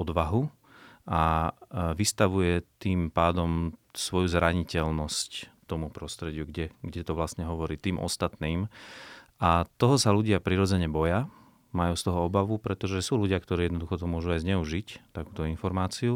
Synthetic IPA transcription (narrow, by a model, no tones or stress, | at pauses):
ɔd̪ʋaɦu | ʔa | ʋist̪aʋujɛt̪iːmpaːd̪ɔmsʋɔjuzɾaɲicɛlnɔsct̪ɔmupɾɔst̪ɾɛɟɪuɡɟɛɡɟɛt̪ɔʋlasɲɛɦɔʋɔɾiːt̪iːmʔɔ̰st̪at̪niːm | ʔat̪ɔɦɔsaluɟɪapɾiɾɔd͡zɛɲɛbɔja | majuːst̪ɔɦɔɔbaʋupɾɛt̪ɔʒɛsuːluɟɪakt̪ɔɾiːjɛd̪nɔd̪uxɔt̪ɔmʊɔʒuajzɲɛuʒict̪akuːt̪ɔinfɔɾmaːt͡siu